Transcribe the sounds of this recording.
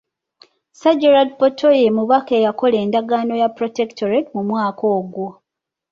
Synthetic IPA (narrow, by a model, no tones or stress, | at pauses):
saɟeɾadpotʰojemuβake̞ːjako̞le̞ːndaɡaːno̞japɾo̞tektʰoɾetmumwaːko̞ːɡwo